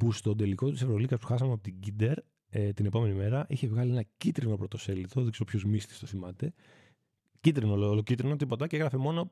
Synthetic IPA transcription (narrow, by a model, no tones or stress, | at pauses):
pust̪o̞d̪e̞liko̞t̪isevɾo̞likɐspu̥xɐsɐmeɐpot̪iɟid̪e̞ɾ | et̪ine̞po̞me̞nime̞ɾɐʔiçe̞vɣɐlienɐcit̪ɾino̞pɾo̞t̪o̞se̞lit̪o̞ðiksopʰçozmist̪i̥st̪oθimɐt̪e̞ | cit̪ɾinololocit̪ɾino̞t̪ipo̞t̪ɐceeɣɾɐfemo̞no